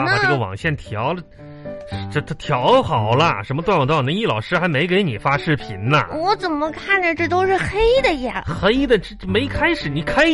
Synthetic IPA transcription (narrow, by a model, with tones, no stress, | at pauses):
a˥˩ʈ͡ʂɤ˥˩ɡə˩wɑ̰˨˩ŋɕjɛ˥˩nt̪ʰjɑ˧˥ʊlə˧ | ʂʈ͡ʂə˥˩t̪ʰt̪ʰjɑ˧˥ʊxɑ˨˩ʊlə˦ʂə˧˥nmət̪wa˥˧nwt̪ɑ˥˩nə˧˥i˥˩lɑ˨˩ʊʂɻ̩˥xa˧˥ɪme˧˥ɪke˧˥ɪni˨˩fa˥ʂɻ̩˥˩pʰi˧˩˥nnə̰˧wɔ˧˥t͡sə˨˩nmə˦kʰa˥˩nd̪ə˩ʈ͡ʂɤ˥˩t̪o˥ʊʂɻ̩˥˩xe˥ɪd̪ə˨jɛ˨˧˩xe˥ɪd̪ə˨ʈ͡ʂɻ̩˥me˧˥ɪkʰa˥ɪʂɻ̩˨˩ni˧˥kʰa˥ɪ